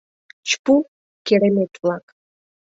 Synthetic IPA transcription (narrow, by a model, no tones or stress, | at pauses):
t͡ɕpu | keɾemet̪βlɑk